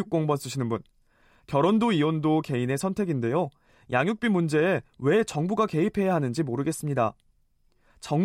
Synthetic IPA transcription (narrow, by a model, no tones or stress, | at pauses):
uk͈oŋbʌns͈ɯɕʰinɯnbun | kjʌɾondoiwondoke̞ine̞sʰʌntʰe̞ɡinde̞jo | jaŋjuk̚p͈imund͡ʑe̞ːwe̞t͡ɕʌŋbuɡake̞ipʰe̞jaɦanɯnd͡ʑimoɾɯɡe̞s͈ɯmɲida | t͡ɕʌŋ